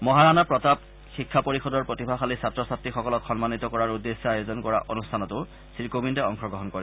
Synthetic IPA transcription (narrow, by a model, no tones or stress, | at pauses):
mɔɦaɹanapɹɔtab̚ | xikʰːapoɹixɔdɔɹpɹotibʱaxalisatɹɔsatixɔkɔlɔkxɔnmanit̪ɔkɔɹaɹudːesːɔajozɔnkɔɹa̰ʔonustʰanɔtʊ | siɹkomintɛɔŋxɔɡɹɔɦɔnkɔɹɛ